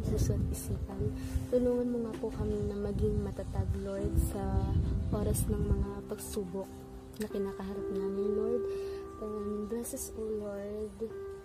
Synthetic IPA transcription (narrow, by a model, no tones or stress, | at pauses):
susɐt̪ʔɪsiːpɐnt̪ʊluːŋɐnmoŋapokɐmɪnɐmɐɡiŋmɐt̪ɐt̪ɐɡloɹd̪̚sɐʔo̞ːɾɐsnɐŋmɐŋapɐɡsuːbok̚ | nɐkɪnaːkɐɦaɾɐp̚naːmɪnloɹd̪̚tɐŋɐnbasɛsʔoloɹd̪